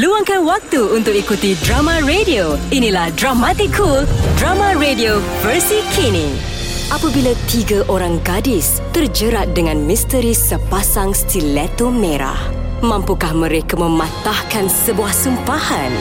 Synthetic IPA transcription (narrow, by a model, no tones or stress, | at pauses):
luaŋkanwak̚t̪uunt̪ʊk̚ikut̪idɾamãɾedioinĩlahdɾamat̪ikʰːuldɾamãɾedio | vərsikʰinĩŋ | ʔapabilat̪iɡaʔoɾaŋɡadis | t̪ərd͡ʒəɾat̪̚dəŋãnmist̪əɾisəpasaŋst̪ilɛt̪omẽɾa̰h | mãmpukahmə̃ɾekamə̃mãt̪ahkansəbuahsəmpahan